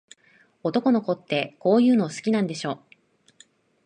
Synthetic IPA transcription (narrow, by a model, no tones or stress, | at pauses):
o̞t̪o̞ko̞noko̞t̪ːe̞ko̞ːjɯ̟ːno̞sɨ̥kʲinãnd̪e̞ɕo̞ː